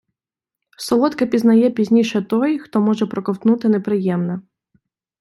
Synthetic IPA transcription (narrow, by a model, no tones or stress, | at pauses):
sɔlˠɔt̪kɐpʲiznɐjɛpʲizʲnʲiʃɛt̪ɔjxt̪ɔmɔʒɛpɾɔkɔwt̪nut̪ɪnepɾɪjɛmnɛ